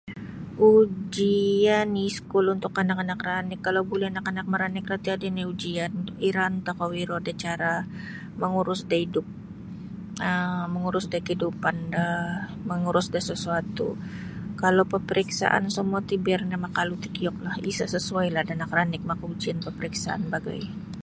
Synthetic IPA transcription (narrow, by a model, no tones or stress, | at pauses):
ʔud͡ʒianiskʊlunt̪ʊkːanakanakranɪkːalawbulɛhanakanak̚məɾanɪkrat̪iadinaud͡ʒianiɾant̪akawiɾodat͡ʃaɾa | məŋuɾʊsdaidʊp̚ | əməŋuɾʊsdakəhidupandaməŋuɾʊsdahsəsuat̪ṵ | kalawpəpəɾiksa̰ʔa̰nsəmuat̪ibɛrnamakalut̪ikijɔk̚lahisasəsuajlahdaanakranɪk̚makaud͡ʒianpəpəɾiksaʔa̰nbaɡa̰j